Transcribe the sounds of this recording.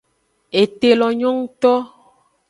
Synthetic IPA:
e˨t̪e˨lɔ˨ɲɔ̃˦ŋ˦t̪ɔ˦

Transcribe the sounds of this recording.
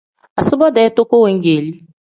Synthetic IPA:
a˨sʊ˦bɔ˦dɛ˨˦to˦kʷo˦we˨ŋ̩˦ɡe˨li˦

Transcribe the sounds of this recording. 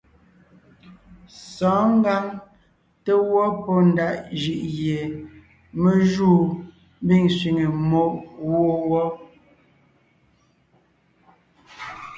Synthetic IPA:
sɔː˨˦ŋ̩˦ɡa˦ŋ | te˦wɔ˦pɔ˦n˨da˦ʔd͡ʒi˨ʔɣje˨ | me˦ʒuː˦˨ | m˦bi˦˨ŋsɥi˨ŋe˨mo˦ʔwo˦˨wɔ˦

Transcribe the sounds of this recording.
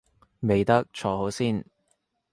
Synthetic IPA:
me˨jt̪ɐ˥k̚t͡ʃʰɔː˨˧ɦo˨˥wsiː˥n

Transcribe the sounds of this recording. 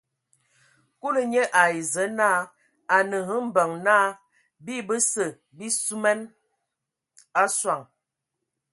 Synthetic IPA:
ku˦lə˨ɲə˦ʔa˨i˨zə˨˦naː˦ | a˨nə˨ɦə˦m̩˦bə˨ŋnaː˦ | bi˦bə˦sə˨ | bi˦su˦mɛ˦n | a˦swa˨ŋ

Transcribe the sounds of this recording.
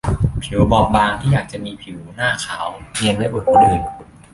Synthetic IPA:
pʰi˨˩˦wbɔː˧˩p̚baː˧ŋt̪ʰiː˥˩jaː˨˩k̚t͡ɕa˨˩ʔmiː˧pʰi˨˩˦wnaː˥˩kʰaː˩˦wni˧nla˦˥˩ʔu˨˩t̚ka˧˩dɯː˧j

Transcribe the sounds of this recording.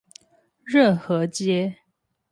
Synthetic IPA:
ɻə˥˩nxɤ˧˥t͡ɕjɛ˥

